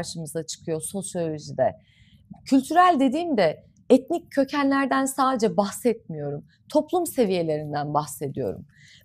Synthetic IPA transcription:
ɾʃɯmɯzat͡ʃʰɯ̥kʰɯjo̞so̞sjo̞lʲo̞ʒid̪ɛ | cʰylʲt̪ʰyɾælʲd̪e̞d̪iːmd̪ɛ | ɛt̪nic̚ʰːø̞cʰænlʲæɾd̪ænsaːd̪e̞d͡ʒɛbaxsɛt̪̚mijo̞ɾum | t̪ʰo̞plˠumse̞vije̞lʲe̞ɾind̪ænbaxse̞d̪ijo̞̰ɾṵm

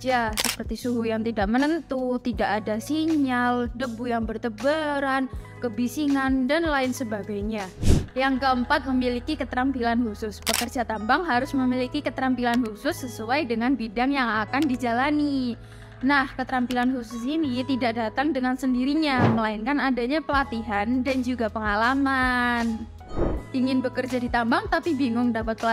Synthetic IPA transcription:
d͡ʒasəpərt̪isuɦujaŋt̪idaʔ̚mənənt̪ut̪idaʔadasiɲaldəbujaŋbərt̪əbəɾankəbisiŋandanlaɪnsəbaɡajɲajaŋɡəəmpat̪̚məmilikikət̪əɾampilanhusʊspəkərd͡ʒat̪ambaŋɦaɾʊsməmilikikət̪əɾampilanhusʊsːəsuajdəŋanbidaŋjaŋakandid͡ʒalani | nahkət̪əɾampilanhusʊsinit̪idaʔ̚dat̪aŋdəŋansəndiɾiɲaməlaɪnkanadaɲapəlat̪iɦandand͡ʒuɡapəŋalaman | iŋɪnbəkərd͡ʒadit̪ambaŋt̪apibiŋʊŋdapat̪̚pəl

